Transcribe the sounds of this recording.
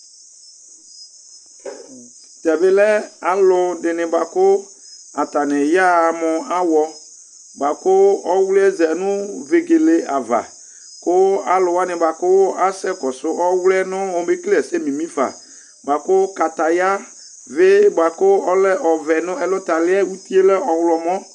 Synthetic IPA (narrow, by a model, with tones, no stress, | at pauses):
tɛ˨bɪ˦lɛ˦a˨lʊ˨dɪ˨nɪ̃˨ba˨kʊ˦ | a˨t̪a˨nɪ̃˨ja˦˨mʊ̃˨a˦wɔ˦ | ba˨kʊ˦ɔ˦wlɛ˦zɛ˨nʊ̃˦ve˨ɡe˨le˨a˨va̰˨ | kʊ˦a˨lʊ˨wa˦nɪ̃˨ba˨kʊ˦a˦sɛ˦kɔ˨sʊ˦ʔɔ˦wlɛ˦nʊ̃˦ɔ˨be˦klɛ˨sɛ˦mĩ˨mĩ˦fa̰˨ | ba˨kʊ˦ka˨t̪a˨ja˦ | vɪ˦ba˨kʊ˦ɔ˦lɛ˦ʔɔ˨vɛ˨nʊ̃˦ɛ˨lʊ˦t̪a˨lɪ˦ɛ˦u˦t̪i˦e˦lɛ˦ɔ˨wlɔ˨mɔ̃˦